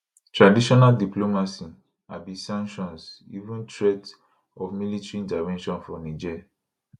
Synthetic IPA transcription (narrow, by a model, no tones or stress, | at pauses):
tɹadiʃɔnaldiplomasi | a̰bisãŋkʃɔ̃nsḭvũntɹet | ɔfmilitɹiĩdavɛ̃nʃɔ̃nfɔnid͡ʒɛa